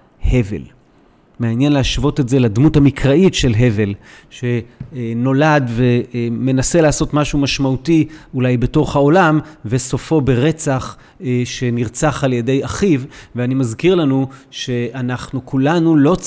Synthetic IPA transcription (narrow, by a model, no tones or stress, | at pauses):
he̞ve̞̰l | meanjenlehaʃvo̞te̞tzeladmuthamikʁaitʃe̞lɦe̞ve̞lʃe̞no̞ladve̞me̞nase̞laːso̞tmaʃumaʃmautiulajbe̞to̞χhao̞lamveso̞fo̞be̞ʁe̞t͡saχ | ʃe̞niʁt͡saχaljede̞jaχivveanimazkiʁlanuʃe̞anaχnukulanulo̞